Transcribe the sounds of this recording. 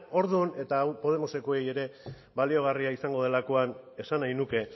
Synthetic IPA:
o̞ɾðune̞t̪aːwpo̞ð̞e̞mo̞se̞koe̞je̞ɾe̞ | βalio̞ɣ̞ariaisaŋɡo̞ð̞e̞lako̞ane̞sanajnuke̞

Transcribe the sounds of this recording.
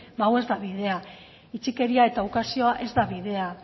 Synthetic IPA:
bawe̞zd̪aβið̞e̞a | it͡ʃike̞ɾiae̞t̪aukasio̞aʔe̞zd̪aβiðe̞a

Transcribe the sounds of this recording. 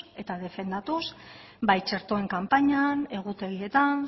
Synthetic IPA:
e̞t̪að̞e̞fe̞nd̪at̪us | bajt͡ʃe̞ɾt̪oe̞ŋkampaɲane̞ɣ̞ut̪e̞ɣie̞t̪an

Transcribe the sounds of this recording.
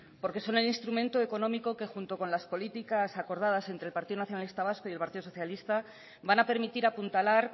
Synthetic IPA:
po̞ɾke̞so̞ne̞linst̪ɾumẽ̞nt̪o̞e̞ko̞nõ̞miko̞ke̞xunt̪o̞ko̞nlaspo̞lit̪ikasako̞ɾð̞aðase̞nt̪ɾelpaɾt̪iðo̞naθjonalist̪aβ̞asko̞je̞lpaɾt̪iðo̞so̞θjalist̪a | banape̞ɾmit̪iɾapunt̪alaɾ

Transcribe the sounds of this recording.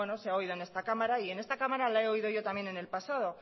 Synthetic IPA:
e̞no̞seao̞iðo̞e̞nest̪akamaɾaie̞ne̞st̪akamaɾalae̞o̞ið̞o̞ʝo̞t̪amje̞ne̞ne̞lpasaðo̞

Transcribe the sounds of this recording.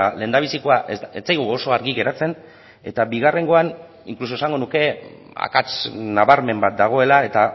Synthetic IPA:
le̞ːnd̪aβ̞isiko̞aʔeet͡sajɣuoso̞aɾɣiɣe̞ɾat͡se̞n | e̞̰t̪abiɣ̞are̞ŋɡo̞an | ḭŋklus̬osaŋɡo̞nuke̞ | a̰kat͡snaβaɾme̞mbat̪̚d̪aɣ̞o̞e̞lae̞t̪a

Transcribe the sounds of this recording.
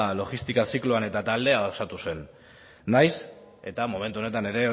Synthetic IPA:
lo̞ɣist̪ikasikloane̞t̪at̪ald̪e̞aosat̪use̞nː | ajs | e̞t̪amo̞me̞nt̪uo̞net̪ane̞ɾe̞

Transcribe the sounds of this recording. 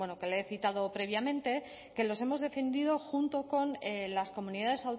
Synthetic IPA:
enoke̞le̞θit̪að̞o̞pɾe̞β̞jamẽ̞nt̪e̞ | ke̞lo̞se̞mo̞zðe̞fe̞nd̪iðo̞xunt̪o̞ko̞nelasko̞mũniðað̞e̞saw

